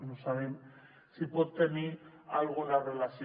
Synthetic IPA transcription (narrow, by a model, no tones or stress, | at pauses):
nusaɾen | sipot̪emialɣolarelasi